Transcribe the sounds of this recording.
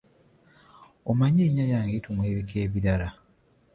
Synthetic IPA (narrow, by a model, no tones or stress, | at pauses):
omaɲeːɲajaːŋɡetumweːβikʰeːβiɾala